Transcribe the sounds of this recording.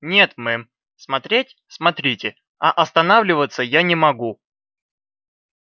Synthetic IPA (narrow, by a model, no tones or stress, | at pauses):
nʲe̞t̪mɨ | smɐt̪ɾʲetʲ | smɐt̪ɾʲitʲɪ | ɐʔɐst̪ɐnavlʲɪvət̪səjanʲɪmɐɡu